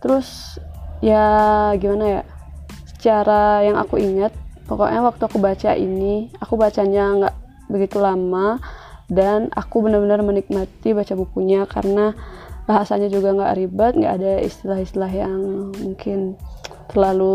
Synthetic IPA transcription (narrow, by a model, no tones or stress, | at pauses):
t̪əɾʊs | jaaɡimanaja̰sə̥t͡ʃaɾajaŋa̰kuiŋat̪̚paka̰ʔawak̚t̪uakubat͡ʃa̰ʔḭniakubat͡ʃaɲaŋɡa̰ʔ | bəɡit̪ulamadana̰kubənarbənarmənik̚mat̪ibat͡ʃabukuɲaka̰ɾənabaɦasaɲad͡ʒuɡaŋɡa̰ʔɾibat̪̚ŋɡa̰ʔːdaḭst̪ilahist̪ilaɦjaŋmuŋkʰɪnt̪ərlalu